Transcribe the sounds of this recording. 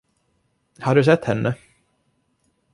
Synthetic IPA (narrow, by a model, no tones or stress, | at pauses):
haɖɵs̬ɛt̪ːhɛnːʔə